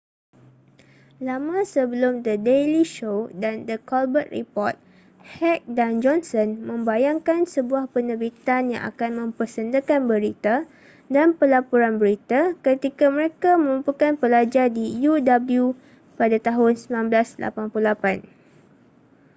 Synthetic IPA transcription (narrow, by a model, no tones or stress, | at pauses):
lamãsəbəlʊmd̪ədeliʃodandəkɔlbət̪̚rḭpɔrt̪̚ | hɛk̚dand͡ʒɔnsɔnmə̃mbajaŋkansəbuahpənəbit̪anja̰ŋʔa̰kanmə̃mpərsəndəkanbəɾit̪a | danpəlapuɾanbəɾit̪akət̪ikaməɾekamə̃ɾumpukanpəlad͡ʒardijudabəlju | padat̪aɦʊnsəminãnbəlaslʔa̰panpulapan